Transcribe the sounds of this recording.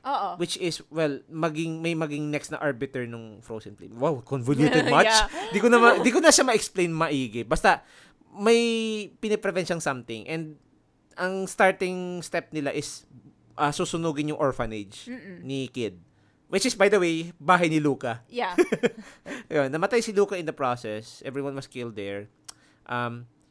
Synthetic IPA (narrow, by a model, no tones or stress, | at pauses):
oʔwɪt͡ʃɪswɛlmɐɡɪŋmɐjmɐɡɪŋnɛkstnɐ̰ʔaɹbɪt̪ɛɹnʊŋfɾo̰wsɪ̰nplḭmwɛwkɔnvoljut̪ɛd̪mat͡ʃd̪ikonɐmad̪ikonɐʃamɐɛksplẽjnmɐʔiːɡɪbɐst̪ɐ | mɐjpɪnɛpɾɛvɛnʃɐŋsɐmt̪ɪ̃ŋʔɛnd̪̚ | ʔɐŋst̪aɹt̪ɪŋst̪ɛp̚nɪlaʔɪs | ʔɐsuːsʊnuːɡɪnjʊŋʔoɹfɐnɛd͡ʒnɪkɪd̪̚ | wɪt͡ʃɪsbajd̪ɐwejbaːɦɐjnɪluːkɐ | jonːɐmɐt̪ajsɪluːkɐʔɪnd̪ɐpɹosɛsʔɛvɹiwɐnwɐskɪld̪ːɛɹ | ʔɐm